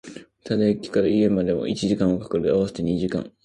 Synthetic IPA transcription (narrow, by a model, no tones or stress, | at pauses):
t̪ʰad̪ekʲi̥kaɾaie̞mad̪e̞mo̰ʔit͡ɕiʑikãɰ̃o̞kḁkɯɾɯaβaset̪eɲ̟iʑikã̰ŋ